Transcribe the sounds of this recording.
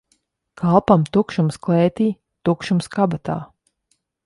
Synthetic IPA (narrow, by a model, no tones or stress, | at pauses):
kʰalˠpamt̪ukʃumsklˠɛːt̪iː | t̪ukʃumskabat̪a̰ː